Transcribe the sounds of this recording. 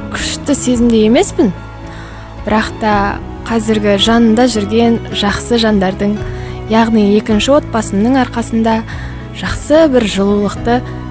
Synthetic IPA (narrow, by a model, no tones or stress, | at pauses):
kʲʰʏ̥ʃt̪ɪse̞zɪmd̪e̞je̞me̞spɪn | b̥ɪɾɑqt̪ɑ | qʰɑzɪɾɡʲɪʒɑnənd̪ɑʒʏɾɡʲe̞nʒ̥ɑqsəʒɑnd̪ɑɾd̪əɴjɑʁnije̞kʲɪnʃɪwo̞t̪̚pɑsəmnəɴɑɾqɑsənd̪ɑ | ʒ̥ɑqsəbɪɾʒəlˠulˠəqt̪ə